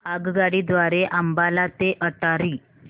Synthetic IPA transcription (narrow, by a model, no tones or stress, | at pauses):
aɡɡaɽid̪ʋaɾeʔambalat̪eʔəʈaɾiː